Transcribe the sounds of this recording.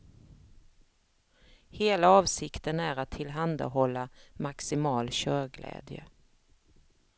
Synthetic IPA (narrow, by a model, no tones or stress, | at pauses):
heːlaɑːvsɪkt̪ənæɾat̪ʰːɪlɦand̪a̰ɦɔlːamaksɪmɑːlɕœːɾɡlɛ̰ːd̪jə̰